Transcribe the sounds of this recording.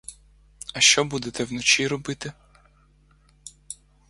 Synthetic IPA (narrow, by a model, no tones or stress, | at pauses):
ɐʃt͡ʃɔbud̪et̪ɛwnɔt͡ʃiɾɔbɪt̪ɪ